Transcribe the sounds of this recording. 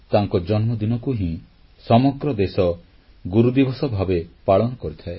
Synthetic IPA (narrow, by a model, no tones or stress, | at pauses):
t̪aŋkɔd͡ʒɔnmɔd̪inɔkuɦĩ | sɔmɔɡɾɔd̪esɔ | ɡuɾud̪ibɔsɔbʱabepaɭɔnɔkɔɾit̪ʰae